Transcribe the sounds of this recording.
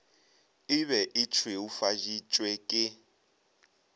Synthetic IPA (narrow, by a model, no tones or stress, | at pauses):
ɪβɛʔɪt͡ʃʰweufaʒit͡ʃʼwɛkʼɪ